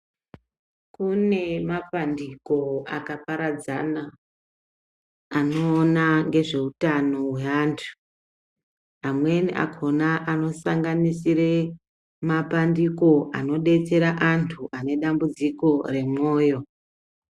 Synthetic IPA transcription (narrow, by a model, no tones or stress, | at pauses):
kune̞mapandiko̞akapaɾad͡zana | no̞ːnaŋɡe̞ʐe̞utano̞we̞aːntʰu̥ | amwe̞niʔa̰kʰo̞naʔano̞saŋɡanisiɾe | mapandiko̞ʔano̞ɗe̞t͡se̞ɾaʔantʰuʔane̞ɗambud͡ziko̞re̞mo̞ːjo̞